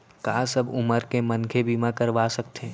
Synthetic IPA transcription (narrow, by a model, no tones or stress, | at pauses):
kaːsɐbʊməɾkemɐnkʰebimãkɐɾʋasɐkt̪ẽː